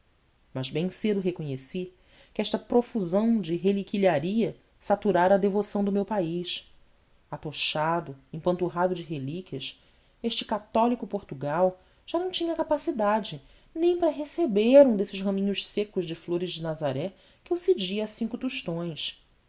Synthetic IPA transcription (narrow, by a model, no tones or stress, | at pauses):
mɐzbẽj̃sed̪ʊɦekõɲesi | kɪɛʃt̪ɐpɾofuzɐ̃w̃d͡ʒɪɦelikiliaɾiɐ | sat̪uɾaɾɐːd̪evosɐ̃w̃d̪ʊmewpaiʃ | at̪oʃad̪ʊẽj̃pɐ̃nt̪uɦad̪ʊd͡ʒɪɦelikʲiɐʃ | eʃt͡ʃɪ̥kat̪ɔlikʊpoɾt̪uɡaw | ʒ̥anɐ̃w̃t͡ʃĩɲɐkapasid̪ad͡ʒɪ | nẽj̃paɾɐɦesebeɾũd̪esɪʃhɐ̃mĩɲʊʃsekʊʒd͡ʒɪfloɾɪʒd͡ʒɪnazaɾɛ | kɪewsed͡ʒiɐasĩŋkʊt̪uʃt̪õj̃s